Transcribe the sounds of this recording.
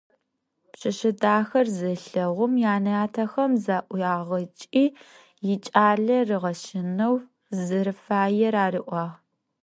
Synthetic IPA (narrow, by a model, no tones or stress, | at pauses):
pɕɐʃɪdaːxɐrzɨɬɐʁʷʊmjaːnɐjaːtʰɐxɐmzaːʔʷjaːʁɐt͡ʃʼiː | jɪt͡ʃʼaːɮɐrɨʁɐʃɪnɐw | zɨɾɨfaːjɛɾaːriʔʷɑːʁ